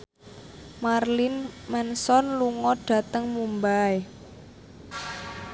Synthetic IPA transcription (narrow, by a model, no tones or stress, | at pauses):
marlinmɛnsɔnluŋɔɖ̥a̤t̪əŋmumbae